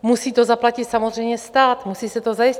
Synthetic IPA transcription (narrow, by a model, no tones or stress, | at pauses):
musiːt̪ozaplacɪt̪samozr̝ɛjɲɛst̪aːt̪musiːsɛt̪ozajɪs